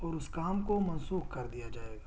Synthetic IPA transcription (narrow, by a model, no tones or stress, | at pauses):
ɔːɾʊskaːmkomɐ̃nsuːxkɐɾd̪ijad͡ʒaːeːɡaː